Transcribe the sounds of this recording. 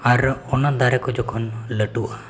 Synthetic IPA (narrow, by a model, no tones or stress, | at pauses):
aɾɔnad̪aɾɛkɔd͡ʒɔkʰɔnləʈua